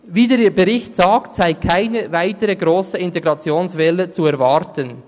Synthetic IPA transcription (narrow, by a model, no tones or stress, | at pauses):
viːdeːiːbəʁɪçtsaːktsaɪkʰaɪnəvaɪtəɾəɡʁoːsəɪnteɡɾɑt͡sjoːnsvɛlət͡suɛɐvɑɾtən